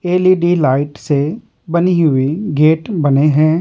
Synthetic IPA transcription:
eːliːɖiːlaːɪʈse | bɐniɦʊiɡeːʈbɐneɦɛ̃ː

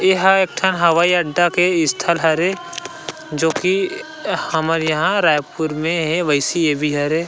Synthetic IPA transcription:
eɦaeːk̚ʈʰənɦɐʋaːiɐɖːakeɪst̪ʰəlɦɐɾe | d͡ʒoːki | həməɾjɐɦãɾaːjpuɾmẽɦɛʋəɪsiebʱiɦɐɾe

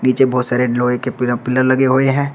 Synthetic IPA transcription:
niːt͡ʃebɔːt̪saːɾeɖloekepɪpɪləɾlɐɡeɦoeɦɛ̃ː

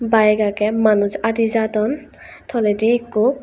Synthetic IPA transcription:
bajɡakɛmanuzad̪izatɔn | t̪ʰɔlediːku

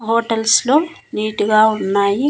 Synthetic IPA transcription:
ɦoːʈɐlsloːniːʈiɡaːunːaːji

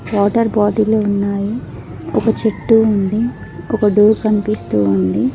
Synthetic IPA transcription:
ʋaːʈɐɾbaːd̪iloːunːaːji | ɔkɐt͡ʃeʈːuːnd̪i | ɔkɐɖuːɾkɐnipist̪uːund̪i

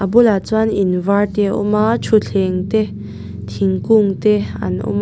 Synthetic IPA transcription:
ʔabulat͡swaninvat̪eṵmat͡ʃʰuɬʰeŋt̪e | t̪ʰiŋkuŋt̪ea̰nṵm

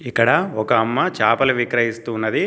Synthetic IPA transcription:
ikːɐɽɐɔkɐːmːɐt͡ʃaːpɐluʋikɾɐɦist̪uːnːɐd̪i

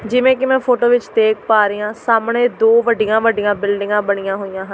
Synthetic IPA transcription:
d͡ʒɪʋẽːkɪmɛ̃ːpʰoːʈoːʋɪt͡ʃd̪eːk̚paːɾəjãːsaːmɳeːd̪oːʋəɖɪjãːʋəɖijãːbɪlɖɪŋɡãːbəɳijãːɦoːjãːɦən

